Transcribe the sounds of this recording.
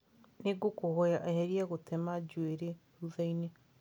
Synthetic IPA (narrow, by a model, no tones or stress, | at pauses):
neɡokohɔjaʔahɛɾiaɣotɛmad͡ʒweɾe | ɾuðaine